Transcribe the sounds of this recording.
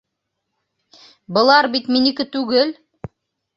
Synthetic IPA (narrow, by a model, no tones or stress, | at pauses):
bɤ̆lˠɑɾbit̪minikɘt̪ʉɡɘl